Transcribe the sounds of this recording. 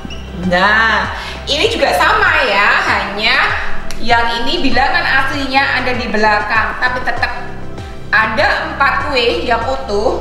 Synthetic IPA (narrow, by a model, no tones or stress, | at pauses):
na | inid͡ʒuɡasamajaɦaɲajaŋinibilaŋanasliɲaʔadadibəlakaŋt̪apit̪ət̪ək̚ | ʔadaʔəmpat̪̚wɪjaŋkot̪u